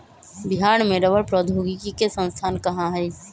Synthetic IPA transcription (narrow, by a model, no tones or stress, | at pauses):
bɪɦaːɳmeɾəbəɾpɾɔd̪ʱoːɡikikesə̃nst̪ʰaːnkəɦãɦɛː